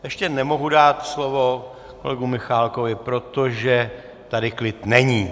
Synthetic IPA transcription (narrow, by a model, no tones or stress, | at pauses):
jɛʃcɛnɛmo̞ɦudaːt̪slo̞vo̞ | ko̞̰lɛɡumɪxaːlko̞vɪpɾot̪o̞ʒɛ | t̪adɪklɪt̪nɛɲiː